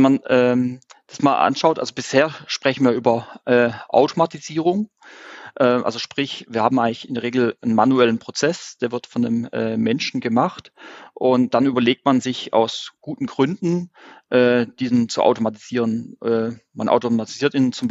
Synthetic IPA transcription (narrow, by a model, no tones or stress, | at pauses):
ɛmanʔɛː | d̥asmaːlʔa̰nʃaʊtʔa̰lzobɪsheːɐʃpʁ̥ɛçn̩viːɐʔyːbɐʔɛːʔa̰ʊtʰomatiziːʁʊŋ | ʔɛːmʔa̰lzoʃpʁ̥ɪçviːɐhaːm̩ʔaɪŋlɪçɪndeɐʁeːɡl̩ənmanuɛlənpʁ̥ot͡sɛsd̥eːɐvɪɐtfɔndəmʔɛ̰ːmːɛnʃn̩ɡəmaχtʔʊnt̚d̥anʔyːbɐleːk̚tmanzɪça̰ʊsɡ̥uːtn̩ɡʁʏndn̩ʔɛːd̥iːzənt͡sṵʔa̰ʊtomati̥z̥iːʁ̞ənʔɛːma̰nʔa̰ʊtomatiz̥iːɐtiːnnt͡sʊm